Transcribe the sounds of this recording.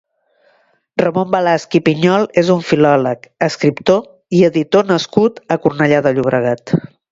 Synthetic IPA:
rəmombəlaskipiɲɔlˠezuɱfilɔləkəskɾipt̪o | iəðit̪onəskut̪əkurnəʎaðəʎuβ̞ɾəɣat̪

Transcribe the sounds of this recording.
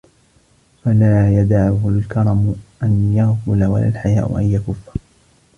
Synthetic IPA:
falaːjad̪aʕʊhʊlkɑɾˤɑmʊʔanjaɣfʊlawa̰la̰ːlħaja̰ːʔʊ̰ʔanjakʊfːḁ

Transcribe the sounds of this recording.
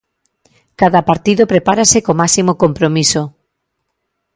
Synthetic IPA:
kaðɐpaɾt̪iðopɾepaɾasekomasimokompɾomiso

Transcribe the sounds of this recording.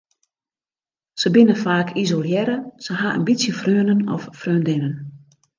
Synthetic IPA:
səbɪnəfaːkʰizoljɛɾəsəɦaə̰nbisjəfrøənənɔ̰fːrøːndɪnən

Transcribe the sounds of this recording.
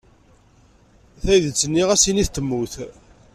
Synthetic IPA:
θæjðət͡sːənːiʁæsiniθt̪ːəmːuθ

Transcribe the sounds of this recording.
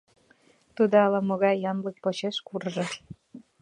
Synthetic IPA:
t̪ud̪oɑlɑmoɣɑjːɑnlək̚pot͡ɕeʃkurʒɤ

